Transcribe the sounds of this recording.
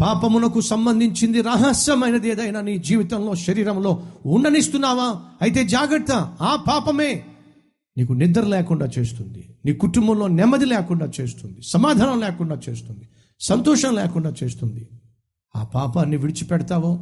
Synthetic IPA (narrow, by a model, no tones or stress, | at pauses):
paːpɐmunɐkusɐmbɐnd̪ʱiɲt͡ʃind̪iɾaːɦɐsjɐmɐjnɐd̪eːd̪ɐjnɐniːd͡ʒiːʋit̪ɐmloːʃɐɾiːɾɐmlo̞ːuɳɖɐnist̪unːaːʋaːɐjit̪e̞ːd͡ʒaːɡɐɾt̪ːɐaːpaːpɐme̞ː | niːkunid̪ɐɾulɛːkuɳɖaːt͡ʃe̞ːst̪und̪iniːkuʈumbɐmlo̞ːnɛmːɐd̪ilɛːkuɳɖaːt͡ʃe̞ːst̪und̪isɐmaːd̪ʱaːnɐmleːkuɳɖaːt͡ʃe̞ːst̪und̪i | sɐnt̪ɔːʃɐmleːkuɳɖaːt͡ʃe̞ːst̪und̪i | a̰ːpaːpaːnːiʋiɽit͡ʃi̥pɛɽɐt̪aːʋoː